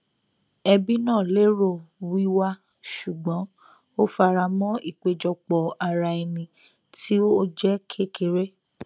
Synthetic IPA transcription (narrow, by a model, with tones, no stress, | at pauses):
ɛ˧bi˦nãː˦˨le˦ɾo˦˨wi˦wa˧ | ʃu˨ɡ͡bɔ̃˨˦ | o˦fa˧ɾa˧mɔ̃˦i˦˨k͡pe˧d͡ʒɔ˧k͡pɔ˧a˧ɾa˧e˧nĩ˧ | tʰi˦o˦d͡ʒɛ˦kʰe˦kʰe˧˦ɾe˦